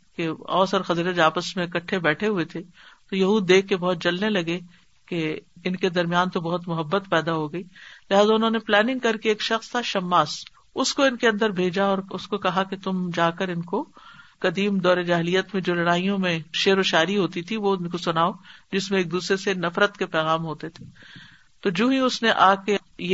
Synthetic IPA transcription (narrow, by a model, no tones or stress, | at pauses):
keɔːsɔɾxɐziːɾəd͡ʒaːpəsmẽɪkɐʈʰːebɛːʈʰeɦuet̪ʰet̪ojɐɦuːd̪ːeːkʰːebɐɦʊt̪̚d͡ʒɐlnelɐɡe | keɪnked̪ɐɾmijaːnt̪obɐɦʊt̪mʊɦɐbːət̪pɛːd̪aɦoɡɐiːlɪɦaːzaʊnɦõːneplɛːnɪ̃ŋɡkɐɾkeeːkʃɐxst̪ʰaʃɐmːaːs | ʊskoɪnkeɐ̃nd̪əɾbʱeːd͡ʒaɔːɾʊskokɐɦaket̪ʊmd͡ʒaːkəɾɪnkokɐd̪iːmd̪ɔːɾed͡ʒaːɦɪlijət̪mẽd͡ʒoːlɐɽaːijõmẽʃeːɾoʃaːɾiɦoːt̪it̪ʰiʋoɪnkosʊnaːod͡ʒɪsmẽeːk̚d̪uːsɾesenɐfɾət̪kepɛːɣaːmɦoːt̪et̪ʰe̥ː | t̪od͡ʒõːɦĩʊsneʔaːkeje